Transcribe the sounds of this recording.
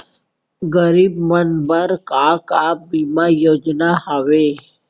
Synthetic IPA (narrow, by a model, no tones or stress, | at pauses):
ɡəɾibmənbəɾkakabimajoːd͡ʒnaɦaʋe